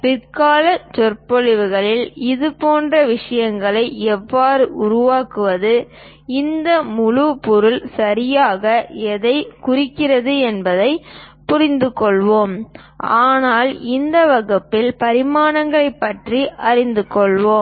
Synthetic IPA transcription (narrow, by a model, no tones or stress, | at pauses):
pɪrkaːlɐt͡ʃɔrpɔɻɪʋɯɣɐɭɪlɪðɯpoːndrɐʋɪʂɐjɐŋɡɐɭɐɪʔɛʋːaːɾɯʔʊɾʊʋaːkɯʋɐðɯ | ɪnd̪ɐmʊɻupɔɾʊlsɐɾɪjaːɣɐɛðɐɪkʊrɪkːɪrɐðɯɛnbɐðɐɪpʊɾɪnd̪ɯkːɔɭʋoːm | ʔaːnaːlɪnd̪ɐʋɐɣɐpːɪlpɐɾɪmaːnɐŋɡɐɭɐɪpːɐʈriʔɐɾɪnd̪ɯkːɔɭʋoːm